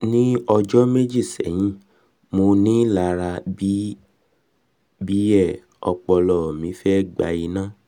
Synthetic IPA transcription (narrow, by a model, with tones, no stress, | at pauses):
nĩ˦ɔ˧d͡ʒɔ˦me˦d͡ʒi˦˨sɛ̰˨˦jĩ˦ | mo˧nĩ˦la˧ɾa˧bi˦ | bi˦ɛ˦˨ | ɔ˧k͡pɔ˧lɔ˦˨mĩ˨˧˦fɛ˦˨ɡ͡ba̰˧i˧nãː˦˨